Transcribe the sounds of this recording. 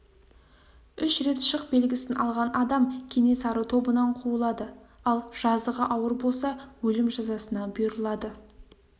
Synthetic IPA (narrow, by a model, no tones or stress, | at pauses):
ʏʃɾe̞t̪ʃəq̚be̞lɡʲɪsɪnʔɑ̰lˠʁɑnʔɑd̪ɑmkʲʰe̞ne̞sɑɾət̪ʰo̞bənɑɴqʰuəlˠɑd̪əɑlˠʒ̥ɑzəʁɑʔɑwəɾbo̞lˠsɑwɵlɪmʒɑzɑsənɑbʊjɾəlˠɑd̪ə